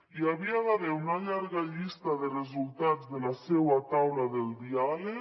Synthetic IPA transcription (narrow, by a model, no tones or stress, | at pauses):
iaβiaðaðeunaʎaɾɣaʎist̪aðerezulˠt̪ad͡zðelasewat̪awlaðelˠd̪iale